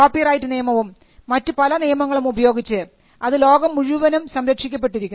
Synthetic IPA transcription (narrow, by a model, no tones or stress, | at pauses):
koːpːirɐjtːɨnijɐmɐʋumː | ɐtːupɐlɐnijɐmɐŋːɐɭumubɐjo̞ːɡit͡ɕːɨ | ɐðɨlo̞ːɡɐmuɻuʋɐnumsɐmɾɐkʂikʲːɐpːe̞ʈːiɾikʲːn